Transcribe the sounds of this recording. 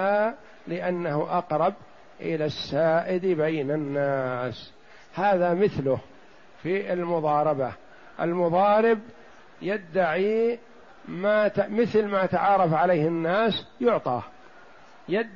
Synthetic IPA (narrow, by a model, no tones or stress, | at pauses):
a | lɪʔanːahʔɑqɾˤɑb | ʔɪlasːaːʔɪd̪bajnanːaːs | haːðamɪθlʊh | fiɪlmʊðˤɑːɾˤɑba | ʔalmʊðˤɑːɾɪb | jad̪ːaʕiː | maːmɪθlmajat̪aʕɑːɾˤɑfʕalejhɪnːaːsjʊʕt̪ˤɑː | jad̪ː